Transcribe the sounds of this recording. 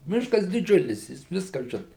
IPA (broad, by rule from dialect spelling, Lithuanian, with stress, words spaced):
ˈmʲɪʃkɐs dʲɪˈd͡ʒʲʊlʲɪs ˈjɪs ˈʋʲɪskɐ ˈʒʲɪnɐ